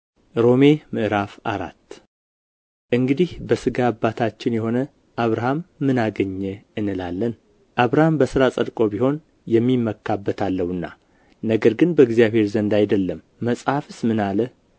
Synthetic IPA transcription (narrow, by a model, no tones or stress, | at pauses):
ɾo̞me̞mɨʔɾafaɾa̰t̪ː | ʔɨŋɡɨd̪ihbəsɨɡabːat̪ʰat͡ʃːɪnjɛho̞nə | ʔaβɾahamːɨnaɡəɲːɛɨnːɨlalːən | ʔaβɾahambəsɨɾasʼəd̪kʼo̞biho̞n | jɛmːimːəkʰːabːət̪ʰalːəwɨnːa̰ | nəɡəɾɡɨnbəɨɡzijaβhe̞ɾzənd̪ajd̪əlːəmːəsʼhafɨsmɨnalə